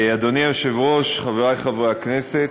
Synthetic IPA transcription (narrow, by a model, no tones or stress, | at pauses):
ad̪oniajoʃevʁo̞ʃχaveʁajχavʁeakneset